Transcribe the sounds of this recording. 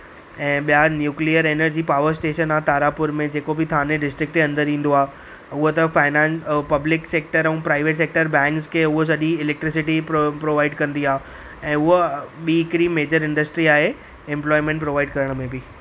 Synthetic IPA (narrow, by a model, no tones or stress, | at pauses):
ɛ̃ːɓijanjuːkliəɾeːnəɾd͡ʑiːpaːʋəɾsʈeːʃənaːɦt̪aːɾapʊɾmẽd͡ʑeːkobɪt̪ʰaːnẽɖɪsʈɾɪk̚ʈɐ̃nd̪əɾĩːn̆d̪oaːɦ | ʊɦot̪ɐfaːɪnɛ̃ːnspɐblɪkseːk̚ʈəɾɛ̃ːpɾaːɪʋeːʈseːk̚ʈəɾbɛ̃ːŋkskʰeːʊɦos̬ɐʄiɪleːk̚ʈɾɪs̬ɪʈippɾoːʋaːɪɖkɐ̃nd̪iaːɦ | ɛ̃ːʊɦoɓiːɪkɪɽimeːd͡ʑəɾɪ̃ɳɖəsʈɾiaːɦe | ɪ̃mplɔːɪmẽɳʈpɾoːʋaːɪɖkɐɾəɽ̃ə̆mẽbɪ